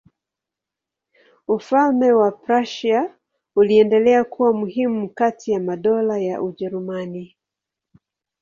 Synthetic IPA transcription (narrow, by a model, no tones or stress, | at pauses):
ufalmɛwapɾaʃa | uliɛndɛlɛakuwamuhimukatijamaɗɔlajaʔuʄɛɾumani